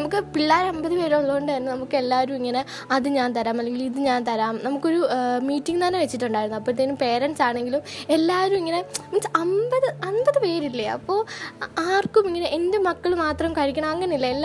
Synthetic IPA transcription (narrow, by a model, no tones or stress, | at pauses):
ɐmukːɨpiɭːaːɾɐmbɐðɨpe̞ːɾumoɭːɐɣoɳɖajɾunːɐnɐmukːɨe̞lːaːɐɾumiŋːɐne | ɐðɨɲaːnt̪ɐɾaːmɐlːe̞ŋɡiliðɨɲaːnt̪ɐɾaːmnɐmukːo̞ɾumiːʈːiŋt̪ɐneʋet͡ɕːiʈːuɳɖaːjɾunːuɐpːoːt̪enumpe̞ːɾɐɳsaːɳe̞ŋɡilume̞lːaːʋɐɾumiŋːɐne̞mint͡ɕːɐmbɐðɨɐnbɐðɨpe̞ːɾilːɐɐ̰pːo̞ːaːrkumiŋːɐneʔendemɐkːɐɭmaːt̪rɐmkɐɻikʲːɐɳɐmɐŋːɐnilːɐelː